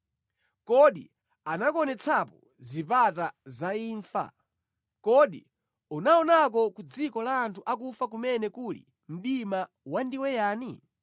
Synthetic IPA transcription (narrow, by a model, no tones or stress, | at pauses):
kɔɗḭ | anakɔnɛt͡sʰapɔ | zipatazaiːɱfa̰ | kɔɗḭ | unaɔnak̬ɔkud͡zikɔlaːntʰuʔakufak̬umɛnɛkulḭ | m̩ɗima | wandiwɛjaːni